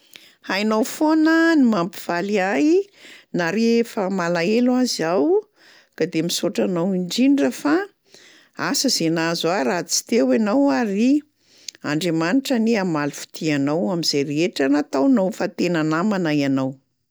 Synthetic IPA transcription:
hajnawfonənimampiv̥aliajinaɾefəmalaelwazaw | kad̪emisoʈ͡ʂanawiɳɖ͡ʐiɳɖ͡ʐəfa | asəzenazaɾat͡si̥t̪ewanawaɾi | a̰ɳɖ͡ʐemaniʈ͡ʂəniamalufu̥t̪ʰianawamizeɾeeʈ͡ʂanat̪awnowfat̪enanamanajanaw

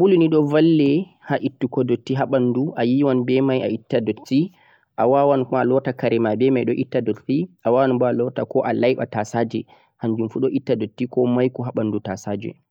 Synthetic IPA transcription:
buluniɗɔvalːɛ | haʔitːukɔdotːiɦaɓanduʔajiwanbɛmaja̰itːadotːi | ʔawawankɔalɔtakaɾɛmabɛmajɗɔʔitːadotːiʔawawanbɔalɔtakɔʔalajɓa̰tasad͡ʒɛ | haɲd͡ʒumfuɗɔʔitːadotːikɔmajkɔɦaɓandutasad͡ʒɛ̰

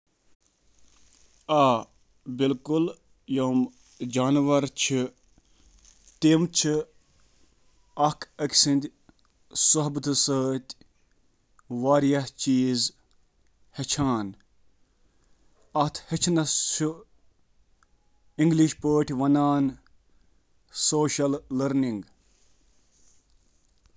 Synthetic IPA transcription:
aː | bilkul | joːm | d͡ʒaːnʋɐɾt͡ʃʰi | t̪emt͡ʃʰi | ɐkʰɐkʲsind̪ʲ | soɦbt̪ɨsəːt̪ʲ | ʋaːɾjɐht͡ʃiːz | het͡ʃʰaːn | ɐt̪ʰhet͡ʃʰnɐʃu | iŋɡliʃpəːʈʰʲʋɐnaːn | soːʃɐlləɾniŋɡ

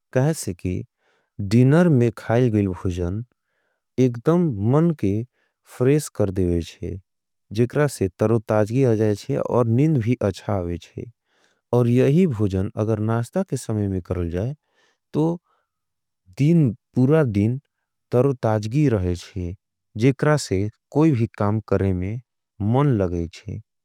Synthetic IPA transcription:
kəɦɛsekḭ | ɖinəɾmẽkʰaːɪlɡəilbʱoːd͡ʒən | ekd̪əmmənke | pʰɾeskəɾd̪ebet͡ʃʰɛ̰ | d͡ʒekɾaset̪əɾot̪ad͡ʒɡiad͡ʒaːet͡ʃʰɛ̰ɔ̰ːɾnĩnd̪bʱiʔətːʃʰaɦwet͡ʃʰɛ̰ | ɔːɾjəɦibʱoːd͡ʒənə̰ɡəɾnast̪akesəməjmẽkəɾəld͡ʒaːe | t̪o | d̪inpuːɾad̪in | t̪əɾot̪aːd͡ʒɡiɾəɦɛt͡ʃʰɛ | d͡ʒeːkɾasekoːibʱikaːmkəɾemẽ | mənləɡɛt͡ʃʰɛ̰

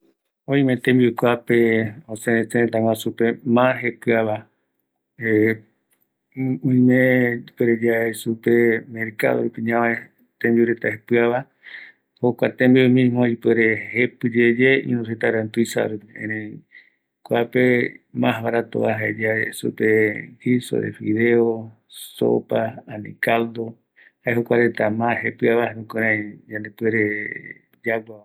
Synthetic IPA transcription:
õĩmẽt̪ẽmbiukʷapeoseset̪aŋʷãsupemãɦepɨaβa | e | ũĩmẽipeɾed͡ʒaesupemeɾka̰oupiɲãmẽ | t̪ẽmbiuɾet̪ahepɨaβa | hokʷat̪ẽmbiumĩmoipeɾehepɨd͡ʒed͡ʒeḭ̃nũset̪aɾãnt̪uisa̰ɾupiḛ̃ɾẽ | koapemãɦβaɾat̪o̰βaɦaed͡ʒaesṵpekiso̰ɾḛfiðeo | so̰paanḭkald̪o | haeɦokʷaɾet̪amãhepɨaβahenũkoɾ̃ãid͡ʒãnd̪epeɾe | d͡ʒaɡaa

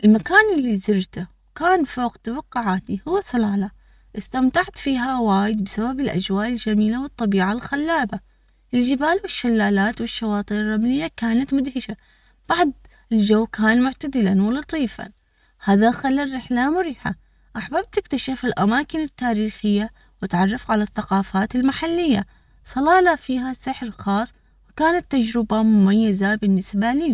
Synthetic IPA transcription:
ʔɪlmakaːnʔɪlːizɪɾt̪a | kaːnfoːqt̪awɑqːʊʕaːt̪ihʊwːasˤɑlaːla | ʔɪst̪amt̪aʕt̪fiːɦawaːjɪd̪̚bɪsababɪlʔa̰d͡ʒwaːʔɪld͡ʒamiːlawɨt̪ˤːɑbiːʕalxalːaːba | ʔɪld͡ʒɪbaːlwɪʃːalːaːlaːt̪wɪʃːawɑːt̪ˤiːɾrˤːamlɪjːakaːnat̪mʊd̪hɪʃa | b̥aʕd̪ | ɪld͡ʒawːkaːnmʊʕt̪ad̪ɪlanwɪlɑt̪ˤiːfa̰n | haːðaxalːarːɪħlamʊɾɪːħa̰ | ʔaħbab̚t̪ɪkt̪aʃafɪlʔamaːkɪnɪt̪ːaːɾiːxɪjːa | wɪt̪ʕɑrˤːɑfʕalaθːaqɑːfaːt̪ɪlmaħalːɪjːa | sˤɑlɑːlafiːɦasɪħɾxɑːsˤ | wɪkaːnat̪ːad͡ʒɾɪbamʊmajːazabɪnːɪsbaliːn

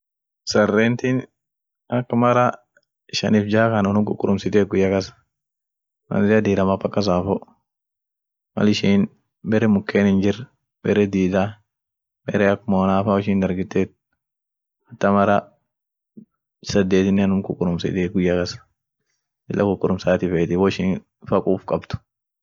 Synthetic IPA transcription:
sɐrːeːnt̪in | ɐkːmɐɾɐ | ʃɐ̰nɪfd͡ʒaːkɐnɔnʊmkʊkʼːʊɾʊmsɪt̪eːɡʊjːɐkɐsɐ̥ | mɐ̰nzɪɐd̪iːɾɐmɐpːɐkːɐs̬aːfɔ | mɐ̰lɪʃiːn | bɛɾɛmʊkːeːnɪnd͡ʒɪɾ | bɛɾɛd̪iːd̪a | bɛɾɛɐkːʊmoːnaːfaɔʃiːnd̪ɐɾɡɪt̪ːeːt̪̚ | ɐt̪ːɐmɐɾɐ | sɐd̪ːeːt̪ɪnːɛnʊmkʊkʼːʊɾʊmsɪ̰t̪eːɡʊjːɐkɐsɐ̥ | ɪlːʔɐkʊkʼːʊɾʊmsaːt̪ɪfeːt̪ɪwɔɪʃiːn | fɐkʼuːfkʼɐbt̪ʊ̥

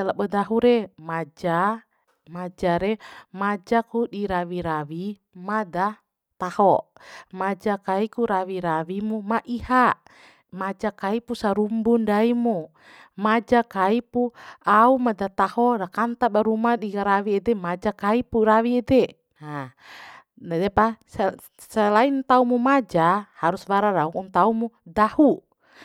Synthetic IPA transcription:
alabɔdaɦuɾɛmad͡ʒa | mad͡ʒaɾɛmad͡ʒakudiɾawiɾawi | mada | t̪ahɔmad͡ʒakaikuɾawiɾawimumaʔihaʔ | mad͡ʒakaipusaɾumbundaimu | mad͡ʒakaipuaumadat̪ahɔdakant̪abaɾumadiɡaɾawiɛdɛmad͡ʒakaipuɾawiɛdɛ | na | nadɛpas | salaint̪aumumad͡ʒahaɾuswaɾaɾaukuŋt̪aumudahu

